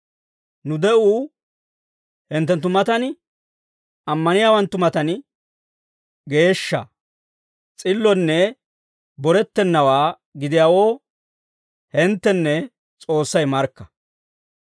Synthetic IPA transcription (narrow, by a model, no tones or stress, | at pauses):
nʊd̪ɛʔuː | hɪnt̪ːɛnt̪ːʊmɐt̪ɐn | ʔɐmːɐnɪjaːwɐnt̪ːʊmɐt̪ɐn | ɡe̞ːʃːɐ̰ | t͡sʼɪlːɔnːɛ | bɔɾɛt̪ːɛnːɐwaː | ɡɪd̪ɪjaːwo̞ː | hɪnt̪ːɛnːɛ | t͡sʼo̞ːsːɐjmɐɾkːɐ̥